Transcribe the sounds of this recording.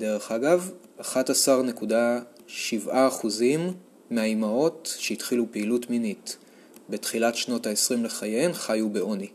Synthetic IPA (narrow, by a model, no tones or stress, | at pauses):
de̞ʁe̞χaɡav | aχatasaʁne̞kuda | ʃivʔaːχuzimː | eajmao̞tʃeitχilupeːlutminit | be̞tχilatʃno̞taesʁimle̞χajenχajubeo̞ni